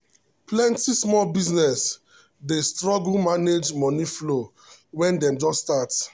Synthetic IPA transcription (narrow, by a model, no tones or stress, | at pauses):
plɛ̃ntismɔlbiznɛs | destɹɔɡl̩maned͡ʒmɔ̃niflo | wɛ̃ndɛ̃md͡ʒɔsstat